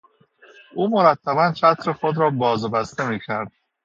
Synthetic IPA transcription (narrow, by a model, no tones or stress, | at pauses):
ʔuːmoɾæt̪ʰːæbænt͡ʃʰæt̪ʰɾexod̪ɾɒːbɒːzbæst̪e̞miːcʰæɾd̪̥̚